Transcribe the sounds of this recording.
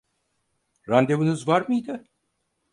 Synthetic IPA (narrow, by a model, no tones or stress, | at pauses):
ɾand̪evɯnɯzvaɾmɯjd̪ɯ